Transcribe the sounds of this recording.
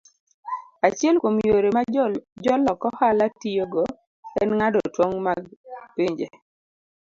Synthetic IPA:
at͡ʃɪɛlkwomjoɾemad͡ʒɔlɔkɔhalatijoɡɔ | ɛnŋadɔtwoŋmaɡpiɲd͡ʒe

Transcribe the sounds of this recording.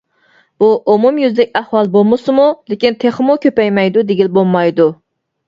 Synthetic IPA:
b̥uʔumumjyzd̪ɛkʲæhwɑlˠbolˠmɨsɨmulekʲint̪ʰeχmukʲʰøpɛjmɛjd̪ud̪eɡʲilbolˠmɑjd̪u

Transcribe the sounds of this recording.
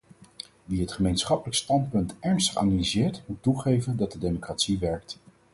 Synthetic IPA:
ʋiɦətχəmejnsχɑpələkstɑnt̚pɵntɛɹnstə̥χa̰ːnalizɪːɹtmutːuχejvəndɑt̚dədejmokratsiʋɛɹk̚t

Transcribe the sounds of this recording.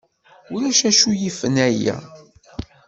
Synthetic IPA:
ʊɾæʃæʃujifənæjæ̰

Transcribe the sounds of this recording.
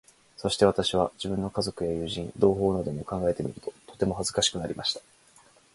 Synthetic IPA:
so̞ɕi̥t̪e̞βat̪aɕiβ̞ad͡ʑibɯ̟̃nːo̞kazo̞kɯ̟jajɯ̟ːʑĩnd̪o̞ːɦo̞ːnod̪e̞mo̞kãŋɡae̞t̪e̞mʲḭɾɯ̟t̪o̞t̪o̞t̪e̞moɦazɨkaɕi̥kɯ̟naɾʲimaɕi̥t̪ḁ

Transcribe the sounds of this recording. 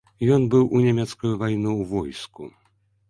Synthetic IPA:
jɔnbɨwʔunʲamʲɛt̪skujuvajnuwvɔjskṵ

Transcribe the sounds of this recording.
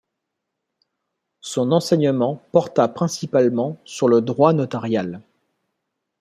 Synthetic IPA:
sɔ̃nɑ̃sɛɲəmɑ̃pɔʁt̪apχɛ̃sipalmɑ̃syʁləd̪ʁwanɔt̪aʁjal

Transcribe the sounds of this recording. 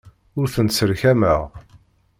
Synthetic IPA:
ʊɾθənsəɾçæməʁ

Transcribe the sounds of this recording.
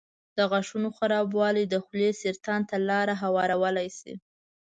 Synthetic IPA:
d̪̥əɣaʂunoxaɾɑbwɑlid̪əxlesɪɾt̪ɑnt̪alɑɾaɦawɑɾawəlajsḭ

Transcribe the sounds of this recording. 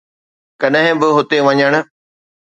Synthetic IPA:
kɐɗɦɪ̃bɪɦʊt̪eʋɐɲəɽ̃ʊ̆

